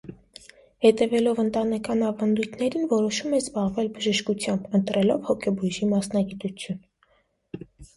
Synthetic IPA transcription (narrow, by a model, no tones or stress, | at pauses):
hɛt̪ɛvɛlɔvənt̪ɑnɛkɑnɑvɑnd̪ujt̪ʰnɛɾinvɔɾɔʃumɛzbɑʁvɛlbəʒəʃkut͡sʰjɑmbənt̪ɾɛlɔvhɔkʰɛbuʒimɑsnɑɡit̪ut͡sʰjun